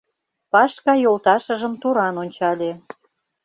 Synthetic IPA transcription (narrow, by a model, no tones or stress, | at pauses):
pɑʃkɑjolt̪ɑʃə̆ʒə̆mt̪uɾɑnonʲt͡ɕɑlʲe